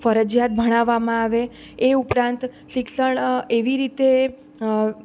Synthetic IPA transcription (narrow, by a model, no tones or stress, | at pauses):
fəɾəd͡ʒjat̪̚bʱəɽ̃aʋːamãaʋe | eupɾãnt̪ | ʃɪksəɳeʋiɾit̪e